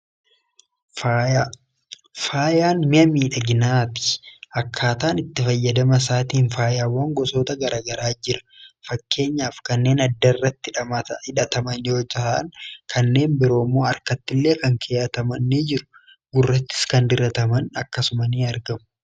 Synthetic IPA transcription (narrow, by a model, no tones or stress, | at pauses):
faːjaːnmɪɐmiːᶑɐɡɪnaːt̪ɪ̥ɐkʰːaːt̪aːnɪt̪ːɪfɐjːɐd̪ɐmɐs̬aːt̪iːnfaːjaːwːaːŋɡɔso̞ːt̪ɐɡɐɾaːɡɐɾaːd͡ʒɪɾɐ̥ | fɐkːe̞ːɲːaːfkɐnːe̞ːnɐd̪ːɐɪrːɐt̪ːɪɪᶑɐt̪ɐmɐnjo̞ːd͡ʒɐhɐʔɐ̰nkʰɐnːe̞ːmbɪɾo̞ːmːo̞ːɐɾkɐt̪ːɪlːeːkɐŋkʰɛjɐt̪ɐmɐnːed͡ʒɪɾʊ̥ | ɡʊrːɐt̪ːɪ̥skɐnd̪ɪɾɐt̪ɐmɐnɐkːɐsʊmɐniːɐɾɡɐmʊ